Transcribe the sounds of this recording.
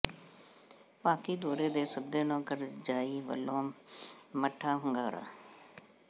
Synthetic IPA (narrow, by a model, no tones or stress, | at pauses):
paːkiːd̪oːɽeːd̪eːsəd̪eːnõːkəɾd͡ʒaːiːʋə̰lõː | məʈʰːaːɦʊŋɡaːɾa̰ː